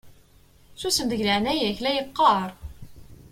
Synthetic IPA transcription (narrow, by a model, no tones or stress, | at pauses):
susəmd̪əʝləʕnæjæçlæjəqːɑɾˤ